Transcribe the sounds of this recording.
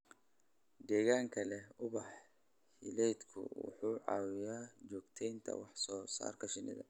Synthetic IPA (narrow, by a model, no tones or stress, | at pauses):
d̪ɛːɣaːŋkʰɐlɛʊβɑħ | hɪlɛjd̪kʰʊ̰wʊ̰ħuːʕɑ̰ːwɪjaːt͡ʃɔːɡt̪ʰɛjnt̪ʰɐ̰wɑħsɔːsa̰ːrkʰɐʃɪnɪ̰ðɐ̰